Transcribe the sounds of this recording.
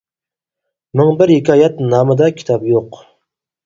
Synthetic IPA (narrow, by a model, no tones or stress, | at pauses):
mɪŋbɪɾhikʲʰɑːjɛt̪nɑːmɨd̪ɑkʲʰi̥t̪ʰɑpjoq